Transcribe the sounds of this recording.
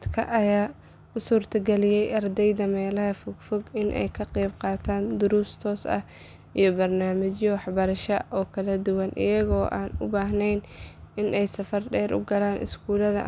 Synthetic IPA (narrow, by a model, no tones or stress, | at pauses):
d̪kʰɐ̰ʔɐjaː | ʊsuːrt̪ʰɐɡɛlɪjɛjʔɐrd̪ɛjd̪ɐmɛːlɐɦɐfʊɡ̥fɔɡɪnʔɛ̰jkʰɐqiːb̚qɑːt̪ʰaːnd̪ʊɾust̪ʰɔːsɐ̰h | ʔijɞbɐrnaːmɪt͡ʃjɔwɑħbɐɾɐʃɐʔɔːkʰɐlɐd̪ʊwɐnʔɪ̰jɐɣɔːʔa̰ːnʊ̰baːɦnɛjnɪnʔɛjsɐfɐrɖɛːɾʔʊ̰ɡɐlaːnʔɪ̰skʰuːlɐðɐ̰